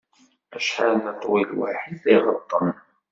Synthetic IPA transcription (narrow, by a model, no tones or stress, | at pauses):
æʃħanət̪ˤwilwa̰ħiðiʁət̪ˤːən